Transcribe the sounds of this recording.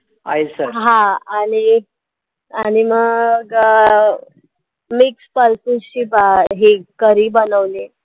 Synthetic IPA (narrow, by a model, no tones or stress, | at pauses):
aisəɦãaɽ̃i | aɽ̃iməɡɡ | mikspəlsuɕipəɦekəɾiːbənəʋle